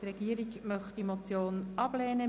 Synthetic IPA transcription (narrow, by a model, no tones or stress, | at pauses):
trɛɡiːəɾiɡmœχt̪imot͡sjoːnɑb̥lɛːnə